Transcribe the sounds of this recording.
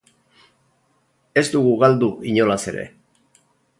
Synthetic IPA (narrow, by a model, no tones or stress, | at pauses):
e̞zd̪uɣuɣald̪uiɲo̞lase̞ɾe̞̰